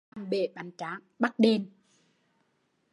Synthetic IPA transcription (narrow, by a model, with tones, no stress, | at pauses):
ŋɓe˨˩ɓa˨˩jŋt͡ɕaː˨˦ŋɓa˦˥t̚ɗe˧n